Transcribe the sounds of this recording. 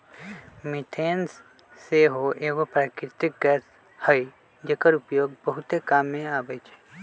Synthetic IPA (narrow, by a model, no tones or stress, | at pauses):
miʈʰeːns | seɦoʔeːʋopɾaːkɾɪt̪ɪk̚ɡɛːs | həj | d͡ʒekəɾupjoːɡbəɦut̪ekaːmːẽaːbəjt͡ʃʰe̥